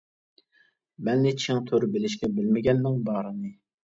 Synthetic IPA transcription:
mɛnːɪt͡ʃʰɪŋt̪ʰøɾbɪlɪʃkʲɛbɪlmɪɡʲɛnːɪŋbɑːɾɨnɨ

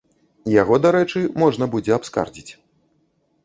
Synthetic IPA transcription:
jaɣɔd̪aɾɛt͡ʂɨmɔʐnɐbud͡zʲɛapska̰rd͡zʲit͡sʲ

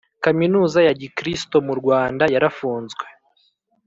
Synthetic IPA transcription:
kaminuːzajaɟikɾisto̞muɾɡwaːndajaɾafuːnzɡwe̞

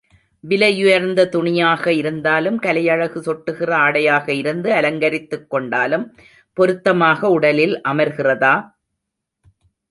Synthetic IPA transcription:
ʋɪlɐjʊjɐɾnd̪ɐt̪ʊɳɪjaːɣɐɪɾɯnd̪aːlɯmkɐlɐjɐɻɐɣɯsɔʈːɯɣɪrɐaːɽɐjaːɣɐɪɾɯnd̪ɯɐlɐŋɡɐɾɪt̪ːɯkːɔɳɖaːlɯm | pɔɾɯt̪ːɐmaːɣɐʊɽɐlɪlʔɐmɐɾɣɪrɐðaː

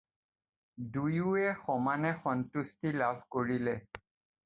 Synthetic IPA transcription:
dujuɛxɔmanɛxɔntustilabʱkoɹilɛ

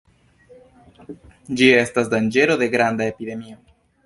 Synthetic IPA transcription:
d͡ʒie̞stasdand͡ʒe̞ɾo̞d̪e̞ɡɾand̪aepide̞mio

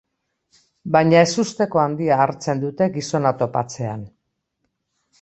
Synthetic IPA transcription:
bajɲae̞sust̪e̞ko̞and̪iaːɾt͡se̞nd̪ut̪e̞ɡiso̞nat̪o̞pa̰t͡se̞an

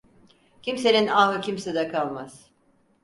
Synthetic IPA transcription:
cʰimse̞ninaːɯcʰimsɛd̪ɛkʰalˠmaz̥

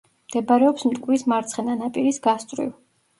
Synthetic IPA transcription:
md̪̥ɛbaɾɛɔpsmt̪ʼkʼwismaɾt̪sʰχɛnanapʼiɾisɡast̪ʼɾḭv

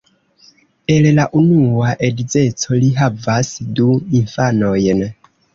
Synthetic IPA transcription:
ellaʔunuaʔedize̞t͡so̞liɦavasduiɱfano̞jn

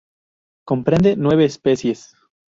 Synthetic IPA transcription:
ko̞mpɾẽ̞nd̪e̞nwe̞β̞eːspe̞sje̞s

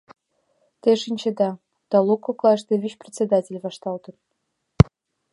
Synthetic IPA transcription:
t̪eʃinʲt͡ɕĕd̪ɑ | t̪ɑlˠokːoklˠɑʃt̪eβʲyt͡ɕprʲet͡sʲːed̪ɑtʲelʲβɑʃt̪ɑlt̪ə̆n

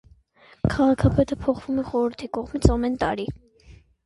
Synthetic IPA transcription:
kʰɑʁɑkʰɑpɛt̪əpʰɔχv̥umɛχɔɾəɾt̪ʰikɔʁmit͡sʰɑmɛnt̪ɑɾi

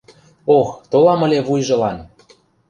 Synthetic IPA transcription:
oxt̪olɑmə̆lʲeβujʒɤ̆lɑn

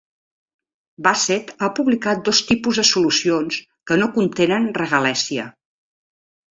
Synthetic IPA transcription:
baset̪apuβlikat̪̚d̪ost̪ipuzðəsulusions | kənokunt̪enənrəɣəlɛsiə

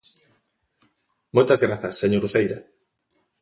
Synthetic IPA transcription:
mojt̪ɐzɣɾaθɐsːeɲoɾuθejɾa

